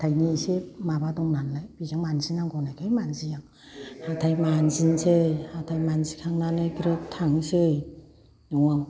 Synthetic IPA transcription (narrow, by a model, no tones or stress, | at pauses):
tʰajnisemabadɔŋnanlajb̥izaŋmanzinaŋɡɔnajkʰajmanzijaŋ | hatʰajmanzinsejhatʰajmanzikʰaŋnanɯjkʰiɾɯtʰaŋsɯj | nuŋaŋ